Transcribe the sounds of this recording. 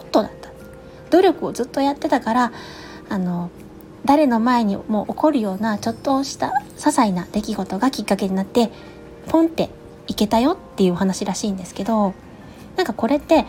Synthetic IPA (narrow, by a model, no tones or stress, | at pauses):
ot̪ːo̞d̪at̪ːḁ | d̪̥o̞ɾʲo̞kɯ̟ozɨt̪ːo̞jat̪ːe̞t̪akaɾaː | no̞ | d̪aɾe̞no̞mae̞ɲ̟imo̞ːʔoko̞ɾɯ̟jo̞ːnat͡ɕo̞t̪ːo̞ɕi̥t̪a | sasainad̪̥e̞kʲiɡo̞t̪o̞ɡakʲikːake̞ɲinat̪ːe̞ | põ̞nt̪e̞ | ike̞t̪ajo̞t̪ːe̞jɯ̟oɦanaɕiɾaɕiːnd̪e̞sɨ̥ke̞d̪o̞ | nãŋkako̞ɾe̞t̪ːe̞